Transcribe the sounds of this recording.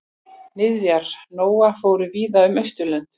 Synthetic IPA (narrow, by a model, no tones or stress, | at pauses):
nɪðvjaɾ̥noːwafoːwɾʏviːðaʏmœjst̪ʏlœnt̪